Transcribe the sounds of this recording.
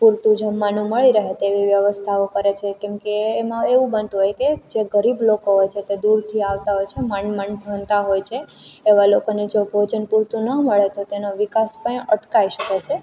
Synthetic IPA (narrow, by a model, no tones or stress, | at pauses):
puɾt̪ũd͡ʒəmːanũməɭiɾəɦet̪eʋiʋjəʋəst̪ʰaokəɾet͡ʃʰekɛ̃mkeːmãeʋũbənt̪ũɦojked͡ʒeɡəɾiblokoɦojt͡ʃʰet̪ed̪uɾt̪ʰiaʋt̪aɦojt͡ʃʰemənmənbʱənt̪aɦojt͡ʃʰeːʋalokonid͡ʒobʱod͡ʒənpuɾt̪ũnəməɭet̪ot̪enoʋikaspəɳəʈkaiʃəket͡ʃʰe